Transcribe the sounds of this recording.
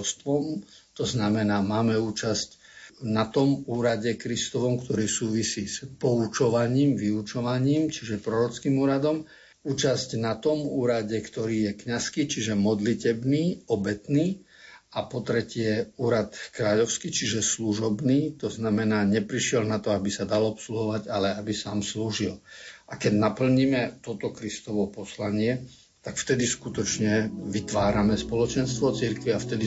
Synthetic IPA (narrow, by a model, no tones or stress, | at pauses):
st̪ʋɔm | t̪ɔznamɛnaːmaːmɛuːt͡ʃasc | nat̪ɔmuːɾaɟɛkɾist̪ɔʋɔmkt̪ɔɾiːsuːʋisiːspɔut͡ʃɔʋaɲiːmʋiut͡ʃɔʋaɲiːmt͡ʃiʒɛpɾɔɾɔt͡skiːmuːɾad̪ɔm | uːt͡ʃascnat̪ɔmuːɾaɟɛkt̪ɔɾiːjɛkɲaskiːt͡ʃiʒɛmɔd̪licɛbniːɔbɛt̪niː | apɔt̪ɾɛcɪɛuːɾat̪kɾaːʎɔʊskit͡ʃiʒɛsluʒɔbniːt̪ɔznamɛnaːɲɛpɾiʃɪɛlnat̪ɔabisad̪alɔpsluɦɔʋaɟalɛabisaːmsluʒilʔakɛɟnapl̩ɲimɛt̪ɔt̪ɔkɾist̪ɔʋɔpɔslaɲɪɛ | t̪akft̪ɛd̪iskut̪ɔt͡ʃɲɛʋit̪ʋaːɾamɛspɔlɔt͡ʃɛnst̪ʋɔt͡siɾkʋiaft̪ɛd̪i